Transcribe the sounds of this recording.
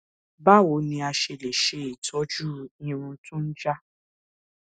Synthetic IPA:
ba˦˨wo˨˦nĩ˧a˧ʃe˧le˨ʃe˨˦i˨tʰɔ˨˦d͡ʒu˦ĩ˦˧ɾ̃ũ˧tũ˦n̩˦d͡ʒa˦

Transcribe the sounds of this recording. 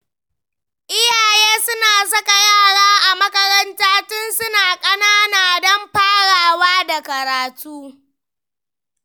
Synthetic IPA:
ʔɪ˦jaː˨jeː˦sʊ˦naː˨s̬ɐ˦ka˨jaː˦˨ɽaː˦ʔa˨mɐ˦kɐ˦ɾɐ˦ntaː˦tʊ˦nsʊ˦naː˨kʼɐ˦naː˦naː˨dɔ˦mɸaː˦ɽaː˨waː˦da˨kɐ˨ɾaː˨tʰuː˦

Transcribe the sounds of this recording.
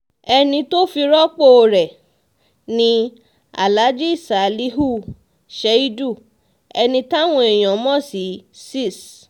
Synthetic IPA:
ɛ˧nĩ˧to˦fi˧ɾɔ˦k͡po˦˨ɾɛ˨ | nĩ˧ | a̰˨la˨˦d͡ʒi˦i˦˨sa˨li˦ɦu˦˨ | ʃe˨˦i˦du˦˨ | ɛ˧nĩ˧ta˦w̃ɔ̃˧˦e˨j̃ɔ̃˨˦mɔ̃˦˨si˨˦si˦˨s

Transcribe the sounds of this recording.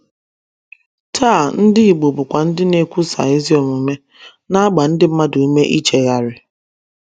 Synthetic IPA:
tʰaː˦˨n̩˦dɪ˦i˨ɡ͡bo˨bʊ˨kʷa˨n̩˦dɪ˦ne˨kʷu˦sa̰˨e˦zi˦o˨mu˨me˦ | na˦ɡ͡ba˨n̩˦dɪ˦m̩˦ma˦du˨u˦me˦ʔi˦t͡ʃe˨ɣa˨ɾɪ˨

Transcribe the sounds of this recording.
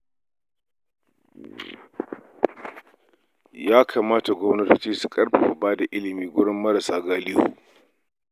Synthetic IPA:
jaː˦kʰaː˨maː˦ta˨ɡʷɔ˦mnɐ˦toː˦t͡ʃiː˦su˨kʼɐ˦ɾɸe˨u˨baː˦da˨ʔɪ˦lɪ˨miː˦ɡʷʊ˦ɽɪ˦mːɐ˦ɾa˨saː˦ɡaː˦lɪ˦jo̰˨

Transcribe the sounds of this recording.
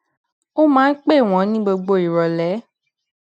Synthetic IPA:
o˦mãː˦n̩˦k͡pe˦˨w̃ɔ̃˨˦nĩ˦ɡ͡bo˧ɡ͡bo˧˨i˨ɾɔ˨lɛ˨˦

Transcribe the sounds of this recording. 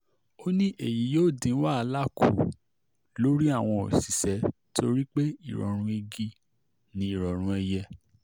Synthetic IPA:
o˦nĩ˦ʔe˦˨ji˨˦joː˦˨dĩ˨˦wa˦˨a˨˧˦la˦kṵ˦˨ | lo˦ɾi˦a˦˨w̃ɔ̃˧o̰˨si˨sɛ˨˦tʰo˧ɾi˦k͡pe˦i˦˨ɾɔ̰˨ɾ̃ũ˧i˧ɡi˧ | nĩ˧˦i˨ɾɔ˨ɾ̃ũ˧ɛ˧jɛ˧

